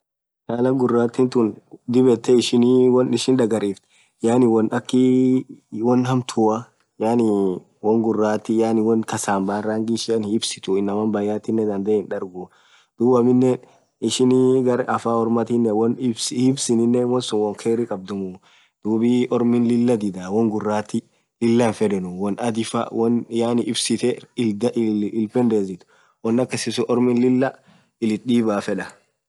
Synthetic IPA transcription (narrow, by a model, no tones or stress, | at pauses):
t͡ʃaːlɐɡʊrːaːt̪ːɪnt̪ʊnd̪ɪbɛt̪ːɛɪʃɪniwɔnɪʃɪnᶑ̪ɐɡɐɾiːft̪ | jaːnɪwɔnɐkːɪ | wɔnhɐmt̪ʰʊɐ | jaːnɪ | wɔŋɡʊrːaːt̪ːɪjanɪwɔnkɐsaːmbaːrːaːŋɡɪʃɪɐnɪbsɪ̥t̪ʊɪnːɐmɐnbɐjːaːt̪ɪnːɛd̪ɐnd̪eːhɪnᶑɐɾɡʊ | d̪̥uːbɐmɪnːɛ | ɪʃɪnɡɐɾɐfaːɔɾmɐt̪ɪnːɛwɔnbsɪbsɪnɪnːɛmɔsʊnwɔŋkʰeːɾɪkʼɐb̚d̪ʊmʊ | d̪̥uːbiʔɔɾmɪnlɪlːɐd̪ɪd̪awɔŋɡʊrːaːt̪ɪ | lɪlːanfɛd̪ɛnʊwɔnɐd̪ɪfɐ̰wɔnjaːnɪɪbsɪt̪ɛd̪ʔɪlpɛnd̪eːzɪt̪ʊ̥ | wɔnːɐkːɛsɪsʊʔɔɾmɪnlɪlːɐ | ɪlɪt̪ɗiːbaːfɛᶑɐ